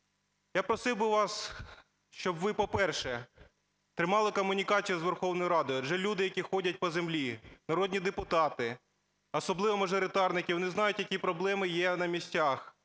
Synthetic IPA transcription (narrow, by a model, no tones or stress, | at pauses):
japɾɔsɪwbɪʋɑs | ʃt͡ʃɔbʋɪpɔpɛrʃɛ | t̪ɾɪmɑlˠɪkɔmːʊnʲikɑt͡sʲijuzʋerxɔwnɔjʊɾɑd̪ɔjɐd͡ʒʒɛlʲud̪ɪjɐkʲixɔdʲɐt̚ʲpɔzemlʲinɐɾɔd̪ʲnʲid̪epʊt̪ɑt̪ɪ | ɔsɔblˠɪʋɔmɐʒɔɾɪt̪ɑrnɪkʲɪʋɔnɪznɑjʊtʲjɐkʲipɾɔblˠɛmɪjɛnɐmʲisʲtʲax